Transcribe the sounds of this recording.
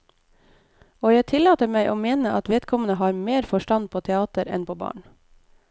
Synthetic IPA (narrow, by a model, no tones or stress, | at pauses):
oːjæɪt̪ʰɪlɑːt̪əmæɪʔoːmeːnəʔɑt̪ʋeːd̪kʰɔmənəhɑːɾmeːɾfɔʃʈɑnpʰoːt̪ʰɛɑːt̪əɾɛ̰npʰoːbɑ̰ːɳ